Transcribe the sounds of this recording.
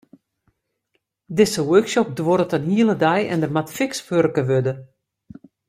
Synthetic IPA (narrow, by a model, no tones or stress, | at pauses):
dɪsəwøːksɔp̚dwoɾətənhiəlˠədɛjɛ̰ndərmatfɪkspørkəʋødə